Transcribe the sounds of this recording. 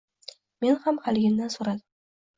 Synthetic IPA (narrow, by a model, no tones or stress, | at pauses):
me̞nhamhalɡʲɪmd̪ansoɾad̪ɪm